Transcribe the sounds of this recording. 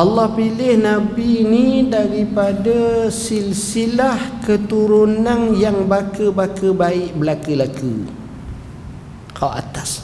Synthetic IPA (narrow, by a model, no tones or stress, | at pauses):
ʔɑlːɑhpilɪhnãbinidaɾipadasilsilahkət̪uɾunanjaŋbakəbakəbaɪʔbəlakəlakə̰ | kʰawa̰t̪as